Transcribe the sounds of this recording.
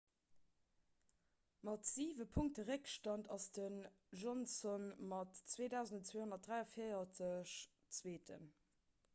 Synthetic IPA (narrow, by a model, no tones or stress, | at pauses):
mɑtz̥iːvəpʰuŋk̚təʁəkʃtɑntɑsd̥ən | ʒɔnsɔnmɑtt͡sweːdæʊzndət͡sweːhonɐt̚dʁæɪɐfeɪɐt͡səɕ | t͡sweːtʰə̰n